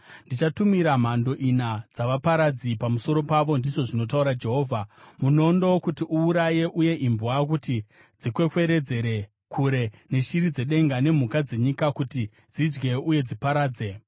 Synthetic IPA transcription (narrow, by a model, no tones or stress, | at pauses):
ndit͡ʃatumiɾam̤ando̞ʔinad͡zaʋapaɾad͡zipamuso̞ɾo̞paʋo̞ndiʐo̞ʐino̞t̬auɾad͡ʒe̞ɦo̞ːvʱamuno̞ndaokutiʔuːɾaje̞ʔuje̞ʔimbuwak̬uti | d͡zikwe̞kwe̞ɾe̞d͡ze̞ɾe̞ | kʰuɾe̞ne̞ʃiɾid͡ze̞ɗe̞ŋɡane̞m̤ukad͡ze̞ɲikakuti | d͡zid͡ʒɡe̞uje̞d͡zipaɾaːd͡ze̞